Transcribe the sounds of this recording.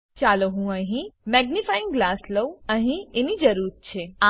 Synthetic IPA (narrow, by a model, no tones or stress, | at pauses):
t͡ʃaloɦũəɦĩmɛɡnifajɪ̃ŋɡɡlasləwəɦĩenid͡ʒəɾuɾɾt͡ʃʰea